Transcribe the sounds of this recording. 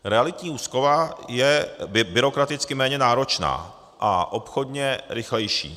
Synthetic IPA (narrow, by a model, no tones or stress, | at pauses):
ɾɛalɪt̪ɲiːuːsko̞vajɛbɪɾo̞kɾat̪ɪt͡skɪmɛːɲɛnaːɾo̞t͡ʃna̰ː | ʔaʔo̞pxo̞dɲɛɾɪxlɛjʃḭː